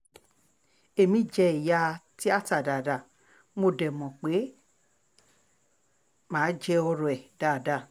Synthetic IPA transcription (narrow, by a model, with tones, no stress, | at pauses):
e˨mĩ˦˨d͡ʒɛ˧i˨ja˧ti˦a˦˨ta˨da˨da˨ | mo˧˨dɛ˨mɔ̃˨k͡pe˨˦ | mãː˨˦d͡ʒɛ˧ɔ˧ɾɔ˧˨ɛ˨da˨da˧˨